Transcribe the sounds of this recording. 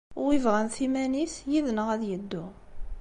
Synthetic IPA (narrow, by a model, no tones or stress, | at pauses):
ʊʁivʁænθimænisjiðnəʁæðjəd̪ːʊ